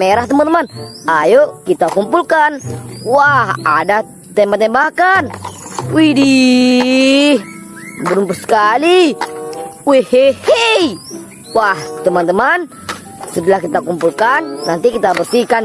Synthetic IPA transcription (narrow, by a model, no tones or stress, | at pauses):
meɾaht̪əmant̪əmanajokit̪akumpulkanwahada | t̪ɛmbat̪ɛmbakanwidi | bəɾumpərsə̥kali | wɛhehej | waht̪əmant̪əman | səd̪əlahkit̪akumpulkanːant̪ikit̪abərsikan